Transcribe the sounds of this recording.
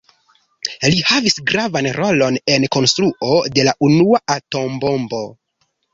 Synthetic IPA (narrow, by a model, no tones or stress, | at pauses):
lihavisɡɾavanɾo̞lo̞ne̞nko̞nstɾuʔo̞de̞laʔunuaato̞mbo̞mbo̞